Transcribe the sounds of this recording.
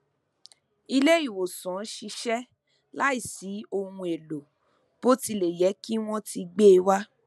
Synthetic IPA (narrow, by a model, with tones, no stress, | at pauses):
i˧le˦i˦˨wo˨sɔ̃˨˦ʃi˧ʃɛ˦ | la˦i˦˨si˨˦o˧hũ˧e˨lo˨ | b̥o˦ti˧le˨jɛ˨˦ki˦w̃ɔ̃˦ti˧ɡ͡be˦˧wa˦